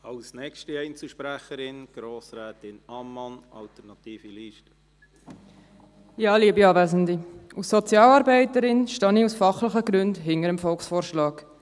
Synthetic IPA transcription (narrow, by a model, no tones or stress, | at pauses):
ɑlsnɛkʃtiɛɪnt͡suʃpɾæχəɾɪnɡ̥ɾoːsɾɛːtɪnɑmːɑnɑ̰ltəɾnɑt̪iːfiliːʃtə̥ | jɑːliəbiɑːvæːzəndiusːɔt͡sjɑːlɑːɾbæɪtəɾɪnʃtɑːniusfɑχlɪχəɡɾʉndɦɪŋəɾəmfɔlksfɔːɾʃlɑːɡ